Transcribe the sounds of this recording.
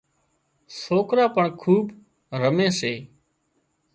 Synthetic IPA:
soːkɾaːpəɳkʰuːb | ɾəmẽːseː

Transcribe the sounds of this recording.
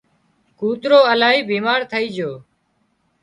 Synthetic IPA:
kuːt̪ɾoːəlaːɦiːbiːmaːɾt̪ʰəiːd͡ʒoː

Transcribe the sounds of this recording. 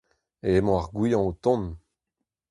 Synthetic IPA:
eemɔ̃aʁɡwijɑ̃ot̪ɔ̃n

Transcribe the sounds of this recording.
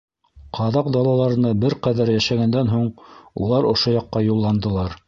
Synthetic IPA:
qʰɑðɑqd̪ɑlˠɑlˠɑɾɤ̆nɤbɘɾqæðæɾjæʃæɡænd̪ænɦuɴṵlˠɑɾŏʃojɑqːɑjulˠːɑnd̪ɤ̆lˠɑɾ

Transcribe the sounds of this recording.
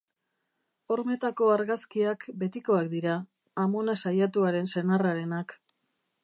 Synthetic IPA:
o̞ɾme̞t̪ako̞aɾɣaskiakbe̞t̪iko̞akd̪iɾaː | mo̞nasajat̪uaɾe̞nse̞naraɾe̞nak

